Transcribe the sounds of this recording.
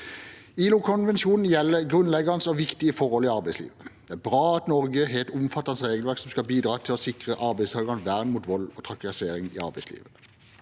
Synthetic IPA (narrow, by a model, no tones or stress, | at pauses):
iːlʊkʰɔnʋɛnʃuːnn̩jɛlːəʁɡʁʉnlɛɡənsɔʋɪkt̪ɪəfɔʁhɔlɪɑʁbæɪslḭːʋəd̪̥ɛæːbʁɑːɑt̪nɔʁɡəɦeːlt̪ʊmfɑt̪ːɑnsʁeːɡəlʋæʁksɔmskɑbiːd̪ʁɑːt̪ʰɪlɔsɪkʁəʔɑɾbæɪst̪ʰɑːlɡɑnʋæʁnmuːt̪ʋɔlːɔt̪ʰʁɑkɪseːɾɪŋɪ̰ːɑ̰ʁbæɪslḭːʋə